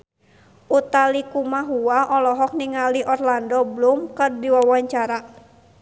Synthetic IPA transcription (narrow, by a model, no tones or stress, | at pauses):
ʔut̪alikumaɦuwaʔɔlɔɦɔk̚niŋaliʔɔrlandɔblumkɨrdiwawaɲt͡ʃaɾa